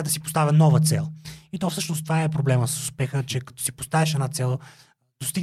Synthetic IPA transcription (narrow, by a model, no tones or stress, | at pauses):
d̪ɐsipost̪avʲɐnɔvət̪sɛ̰lˠit̪ɔfsɤʃnost̪ovaɛpɾoblɛməsə̥sʊ̥spɛxət͡ʃɛkɐ̥t̪ɔ̥sipo̥st̪avɛʃɛnat̪sɛlˠ | d̪̥ost̪iɡ